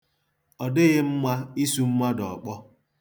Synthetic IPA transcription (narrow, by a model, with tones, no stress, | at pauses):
ɔ˨dɪ˦ɣɪ˦m̩˦ma˦i˦su˦m̩˦ma˦dɔ˨k͡pɔ˦